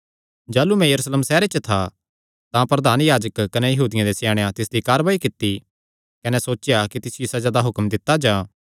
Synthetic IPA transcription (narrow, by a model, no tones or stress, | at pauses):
d͡ʒaːlumɛ̃jɐɾuːsleːmsɛːɾet͡ʃət̪ʰa | t̪ãpɾɐd̪aːnjaːd͡ʒəkːɐnɛjɐɦuːd̪ɪjãd̪esjaːɽ̃ejãt̪ɪsd̪ikaːɾʋaːikɪt̪ːi | kɐnɛsoːt͡ʃjakit̪ɪsjɪsɐd͡ʒaːd̪aɦʊkmd̪ɪt̪ːad͡ʒãː